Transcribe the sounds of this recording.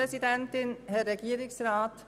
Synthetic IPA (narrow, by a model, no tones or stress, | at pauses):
esidɛntɪnhɛːeɡiːɾɪŋsraːt